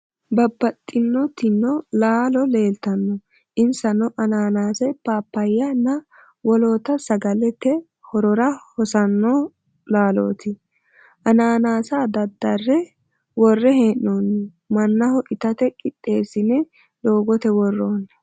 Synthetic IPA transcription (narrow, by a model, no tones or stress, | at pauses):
bɐbːɐt̪ʼːɪnːɔt̪ɪnːɔlaːlɔle̞ːlt̪ɐnːɔ | ʔɪnsɐnɔʔɐnaːnaːsɐjpaːpːɐjːɐnːɐ | wɔloːt̪ɐsɐɡɐlɛt̪ːɛ | hɔɾɔɾɐhɔsɐnːo | laːlo̰ːt̪ɪ | ʔɐnaːnaːsaːd̪ɐd̪ːɐrːɛ | wɔrːɛheːʔːoːnːɛ | mɐnːɐhɔʔɪt̪ɐt̪ɛkʼɪt̪ʼːe̞ːsɪnɛ | d̪o̞ːɡɔt̪ɛwɔrːoːnː